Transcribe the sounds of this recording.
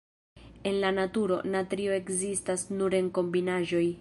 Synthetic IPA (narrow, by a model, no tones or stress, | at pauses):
e̞nlanatuɾo̞̰natɾio̞e̞kzistasnuɾe̞ŋko̞mbinaʒo̞j